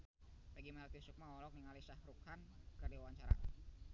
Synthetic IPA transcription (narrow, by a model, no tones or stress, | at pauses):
paɡimaɾat̪iusuk̚maɔlɔk̚niŋalisahɾukhankərdiwawaɲt͡ʃaɾa̰